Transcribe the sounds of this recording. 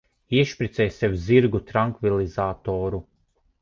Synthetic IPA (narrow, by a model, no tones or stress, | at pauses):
iɛʃpʲɾʲit̪sɛjsɛwziɾɡut̪ɾaŋkvilˠizaːt̪ɔːɾu